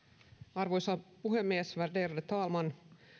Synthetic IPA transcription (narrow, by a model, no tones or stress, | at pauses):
ɑrʋojsɑpuɦemːiesʋærd̪erdet̪ɑːlmɑn